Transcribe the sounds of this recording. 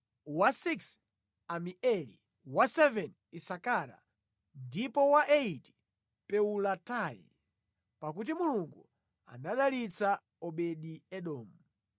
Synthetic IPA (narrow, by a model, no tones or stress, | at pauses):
wasiks | amiʔɛlḭ | wasɛvɛn | isakaɾa̰ | ndipɔwaʔeiti̥ | pɛulatajḭ | pakut̬imuluŋɡu | a̰naɗalit͡sa | ɔɓɛɗiɛɗɔːmu